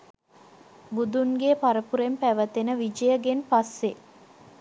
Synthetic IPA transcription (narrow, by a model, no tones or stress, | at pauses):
bud̪unɡepaɾəpuɾempæʋət̪enəʋid͡ʒəjəɡenpasːe